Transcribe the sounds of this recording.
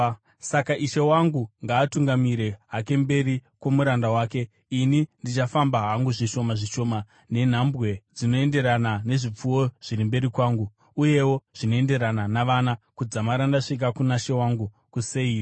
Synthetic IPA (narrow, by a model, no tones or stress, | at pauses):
sakaʔiʃe̞waŋɡuŋɡaːtuŋɡamiɾe̞ɦake̞mbe̞ɾikwo̞muɾandawaːke̞ | inindit͡ʃafambaɦaŋɡuʐiʃo̞maʐiʃo̞ma | ne̞n̤ambɣe̞d͡zino̞e̞nde̞ɾanane̞ʐip͡fuwo̞ʐ̥iɾimbe̞ɾikwaːŋɡuː | je̞wo̞ʐ̥ino̞e̞nde̞ɾananaʋanakud͡zamaɾandaʂik̬akunaʃe̞waŋɡu | kusei